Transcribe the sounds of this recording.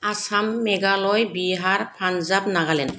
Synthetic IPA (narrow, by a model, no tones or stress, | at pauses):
asamːɛɡalɔjbiɦaɹpʰanzap̚naɡalɛn